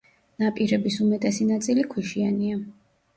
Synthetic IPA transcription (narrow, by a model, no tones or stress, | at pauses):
napʼiɾɛbisumɛt̪ʼɛsinat̪sʼilikʰwiʃiania